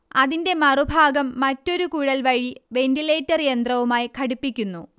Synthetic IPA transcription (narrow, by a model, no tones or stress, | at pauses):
ɐðinde̞mɐrubʱaːɡɐmːɐtːo̞ɾukuːɽɐlʋɐɻiʋe̞ndile̞ːtːɐrjend̪rɐʋumaːjkʰɐɽupːikʲːunːu